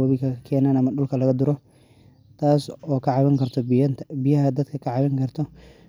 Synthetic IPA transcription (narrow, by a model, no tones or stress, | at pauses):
ɐβɪkʰɐɐkʰɛːnaːnɐmɐɖʊlkʰɐlɐɣɐd̪ʊɾɔ | t̪ʰaːsɔːkʰɐʕɑβɪŋkʰɐrt̪ʰɔnʰbɪjɐɦɐd̪ɐd̪kʰɐkʰɐʕɑβɪŋkʰɐrt̪ʰɔ